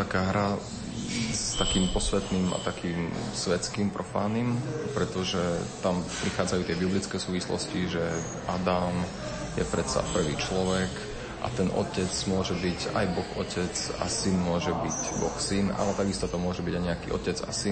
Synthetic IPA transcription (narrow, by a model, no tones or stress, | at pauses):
t̪akaːɦɾa | st̪akiːmpɔsʋɛt̪nima̰t̪akiːmsʋɛt͡skimpɾʔɔfaːnimpɾɛt̪ɔʒɛt̪ampɾixaːd͡zajuːt̪ɪɛbiblit͡skɛsuːʋislɔ̰sciʒɛ | ʔad̪am | jɛpɾɛt̪t͡sa̰pr̩ʋḭːt͡ʃlɔʋɛk | ʔa̰t̪ɛnʔɔ̰cɛt͡smʊɔʒɛbiɟa̰jbɔxɔcɛt͡sa̰sinmʊɔʒɛbiɟbɔxsina̰lɛt̪aɡist̪ɔt̪ɔmʊɔʒɛbiɟajɲɛakḭʔɔ̰cɛd͡za̰sin